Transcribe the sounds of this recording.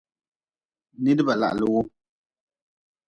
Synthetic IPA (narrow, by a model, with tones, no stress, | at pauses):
ni˦dɨ˦ba˨la̰˨ʔlə˨wo˦